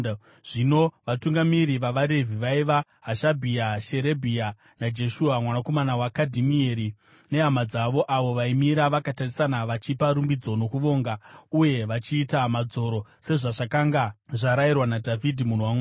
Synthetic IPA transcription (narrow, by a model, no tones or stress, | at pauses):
ʐ̥ino̞ʋatuŋɡamiɾiʋaʋaɾevʱiʋaiʋa | ɦaʃabʱiaʃe̞ɾe̞bʱia | nad͡ʒe̞ʃuamwanako̞manawakadʱimieɾi | ne̞ɦamad͡zaʋo̞ʔaʋo̞ʋaimiɾaʋakatarisanaʋat͡ʃipaɾumbid͡zo̞no̞kuʋo̞ːŋɡauje̞ʋat͡ʃiːtamad͡zo̞ɾo̞se̞ʐaʐakaŋɡaʐaɾairwanadʱavʱidʱimun̤owamwa